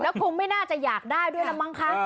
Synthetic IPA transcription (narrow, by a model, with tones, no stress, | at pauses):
lɛː˦˥wkʰu˧nma˥˩jnaː˥˩t͡ɕa˨˩jaː˨˩k̚daː˥˩jdu˥˩əjna˦˥ma˧˥˩ŋkʰa˦˥